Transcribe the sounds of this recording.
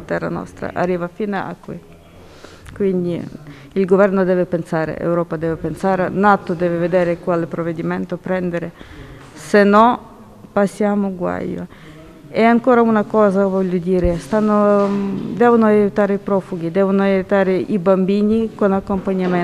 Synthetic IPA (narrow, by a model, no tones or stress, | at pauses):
t̪ɛrːa̰nɔ̰st̪ɾa̰ʔa̰rːiːvafinaa̰kːwḭ | kwind̪i | ilɡovɛrnod̪ɛːvepensaːɾḛʔḛwɾɔːpad̪ɛːvepensaːɾenat̪od̪ɛːveved̪eːɾekwalepɾovːed̪iment̪opɾɛnd̪eɾe | senːɔ | pasːjaːmoɡwa̰jo̰ | ɛaŋkoːɾaunakɔːzavɔʎːod̪iːɾest̪anːo | d̪ɛːvonoajut̪aːɾeipɾɔfuɡid̪ɛːvonoajut̪aːɾeʔibambiːnikonakːompaɲːame